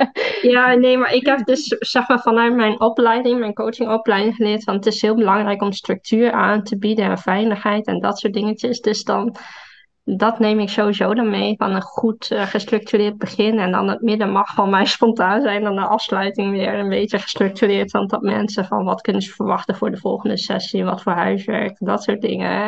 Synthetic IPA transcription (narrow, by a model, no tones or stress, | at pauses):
jaːnejmaɹɪkɦɛp̚dɵssɛxmaːɹvɑnœɥtmɛjnʔɔplɛjdɪŋmɛjnkowt͡ʃɪŋɔplɛjdɪŋχəlɪːɹtfɑnətɪsɦɪːlˠbəlɑŋrɛjkɔmstrɵk̚tʰyːɹaːntəbidənɛnfɛjləxɦɛjtɛ̰ndɑtsʊːt̚dɪŋətəsdɵsdɑn | dɑtnejmɪksoːʋizowdɑnmejfɑ̰nənχutχəstrɵk̚tyrɪːɹd̚bəχɪnɛndɑ̰nətmɪdəmɑχfɑnmɛjspɔntaːnzɛjndɑndəʔɑfslœɥtɪŋʋɪːɹənbejəχə̥strɵk̚tyrɪːɹtfɑndɔtmɛ̰nsəvɑ̰nʋɑtkɵnənzəfəɹʋɑχtəvʊːɹdəvɔlˠχəndəsɛ̰siʋɑtfʊːɹɦœɥsʋɛ̰ɹk̚tdɑtsʊːt̚dɪ̰ŋə̰